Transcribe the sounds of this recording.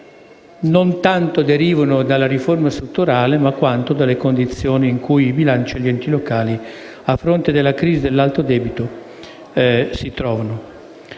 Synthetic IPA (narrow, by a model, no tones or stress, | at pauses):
nont̪ant̪od̪eɾiːvonod̪alːaɾiformast̪ɾut̪ːuɾaːlemakːwant̪od̪alːekond̪it̪sːjoːniːŋkujibilant͡ʃiʎːɛnt̪ilokaːli | afːɾont̪ed̪elːakɾiːzid̪elːalt̪od̪ɛːbit̪o | sit̪ɾɔːvano